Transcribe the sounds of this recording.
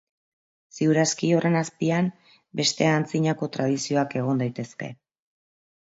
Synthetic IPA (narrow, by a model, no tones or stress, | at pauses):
siuɾaskio̞re̞naspiam | be̞st̪e̞ant͡siɲako̞t̪ɾað̞isio̞ake̞ɣ̞o̞nd̪ajt̪e̞ske̞̰